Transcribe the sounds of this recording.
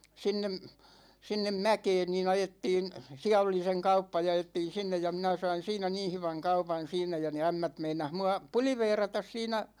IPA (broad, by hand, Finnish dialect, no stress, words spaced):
sinːem sinːem mækeːn niːn ɑjetːiːn siæ oli seŋ kɑupːɑ jɑ ɑjetːiːn̞ sinːej jɑ minæ sɑin̞ siːnæ niːn̞ hyʋæŋ kɑupɑn̞ siːnˑæ jɑ ne æmːæt meinɑh muɑ puliʋeːrɑtɑs siːnæ